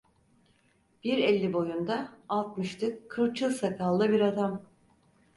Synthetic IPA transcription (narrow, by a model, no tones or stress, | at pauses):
b̥iɾɛlʲːibo̞jund̪aːlˠt̪mɯʃt̪ɯkʰːɯɾt͡ʃʰɯlˠsakʰalˠːɯbiɾad̪am